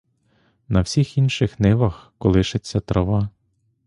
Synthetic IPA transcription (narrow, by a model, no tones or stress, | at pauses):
nɐwsʲixinʃɪxnɪʋɐxkɔlˠɪʃet͡sʲːɐt̪ɾɔʋɑ